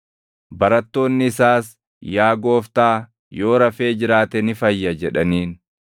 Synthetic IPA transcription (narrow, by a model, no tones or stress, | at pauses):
bɐɾɐt̪ːo̞ːnːɪːsaːs | jaːɡo̞ːft̪aː | jo̞ːɾɐfe̞ːd͡ʒɪɾaːt̪ɛnɪfɐjːɐd͡ʒɛᶑɐniːn